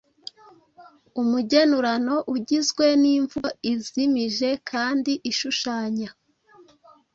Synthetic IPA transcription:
umuɟe̞nuɾano̞ʔuɟizɡwe̞niːɱvoizimiʒe̞kʰaːndiʔiʃuʃaːɲa

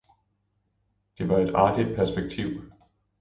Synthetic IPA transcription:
d̥e̝ʋɑ̈e̝d̥ɑ̰̈ːɡ̥id̥̚pʰæɐsb̥eɡ̥̚t͡sʰiʊ̰

